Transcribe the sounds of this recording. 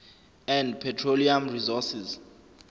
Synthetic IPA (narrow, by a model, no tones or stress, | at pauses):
ɛ̃ndpʰɛtʰroliamrizɔsiz